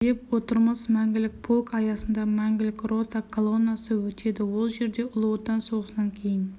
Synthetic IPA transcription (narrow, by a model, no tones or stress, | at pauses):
d̪epwot̪əɾmɑsmæŋɡʲɪlɪk̚ʲpʰolˠkɑjɑsənd̪ɑmæŋɡʲɪlɪkʲro̞t̪ɑkʰolˠonɑsəwɵt̪ʰe̞d̪ɪwolˠʒe̞ɾd̪e̞ʔʊlˠuwot̪ːɑnso̞ʁəsd̪ɑŋkʲʰe̞jɪn